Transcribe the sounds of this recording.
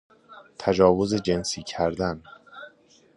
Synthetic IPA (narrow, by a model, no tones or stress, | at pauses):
t̪ʰæd͡ʒɒːvo̞ze̞d͡ʒensiːcʰæɾd̪æn